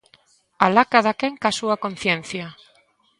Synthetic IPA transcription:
alakaðakeŋkasuakon̟θjen̟θja

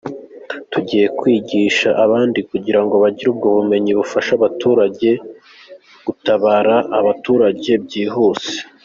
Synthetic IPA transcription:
tuɟiːje̞kwiːɟiːʃaʔaβaːndikuɟiɾaŋɡo̞βaɟiɾuːb̚ɡoβume̞ɲiβufaʃaβatuːɾaɟe̞ | ɡ̥utaβaːɾaʔaβatuːɾaɟe̞bɟiːɦuːse̥

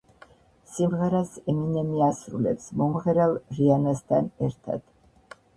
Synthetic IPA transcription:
simʁɛɾasɛminɛmiasɾṵlɛ̰psmɔmʁɛɾɛlˠɾianast̪ʰanɛɾt̪ʰa̰d̪̥

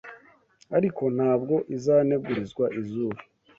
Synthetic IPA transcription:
aɾikʰo̞n̥haːbɡo̞ʔizaːne̞ɡuɾizɡwaʔizuːβa

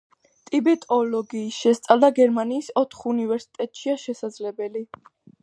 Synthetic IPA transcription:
t̪ʼibɛt̪ʼɔlɔɡiːsʃɛst̪sʼalˠd̪aɡɛɾmaniːsɔt̪ʰχunivɛɾsi̥t̪ʼɛt̪ʼʃiaʃɛsad̪zlɛbɛli

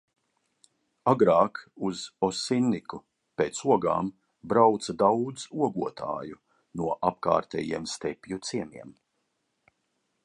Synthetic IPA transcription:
aɡɾaːkuz̥ɔsinːiku | peːt̪suɔɡa̰ːm | bɾawt̪sad̪awd̪zuɔɡuɔt̪ʰa̰ːju | nuɔʔapka̰ːɾt̪ɛ̰ːjḭɛmst̪ɛpʲjut̪siɛmiɛm

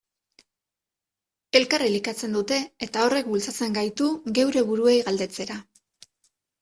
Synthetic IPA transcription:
e̞lkarilikat͡se̞nd̪ut̪e̞ːt̪ao̞re̞k̚bult͡sat͡se̞ŋɡajt̪uɣe̞wɾe̞βuɾue̞jɣald̪e̞t͡se̞ɾa

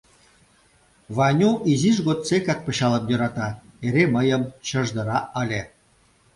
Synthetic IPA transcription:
βɑnʲuʔiziʒɣot̪sekɑk̚pə̆ɕɑlə̆mjø̆ɾɑt̪ɑeɾeməjə̆mt͡ɕə̆ʒd̪ə̆ɾɑʔəlʲe

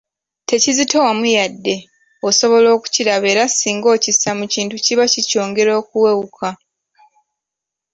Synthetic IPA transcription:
te̞cizito̞wamujadːe̞ | oso̞βo̞lo̞ːku̥ciɾaβe̞ːɾasiːŋɡo̞ːcisamuciːntuciβacico̞ːŋɡe̞ɾo̞ːkuwe̞wukʰa

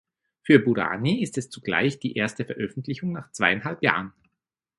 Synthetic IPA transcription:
fyːɐbuʁa̰ːniɪstɛst͡suɡ̥la̰ɪçd̥iːʔeːɐstəfɛɐʔœfn̩tlɪçʊŋnaːχt͡sv̥aɪanɦalpja̰ːʁən

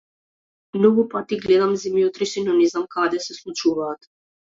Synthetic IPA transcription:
mnɔɡupat̪iɡlɛd̪amzimjɔt̪ɾiʃinɔnɛznamkad̪ɛsɛslˠut͡ʃuvaːt̪

